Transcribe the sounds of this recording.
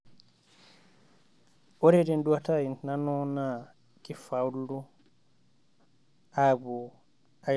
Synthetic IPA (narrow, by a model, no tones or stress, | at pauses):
ʔɔɾɛdɛnduatainnanɔna | kifawldu | abɔ | a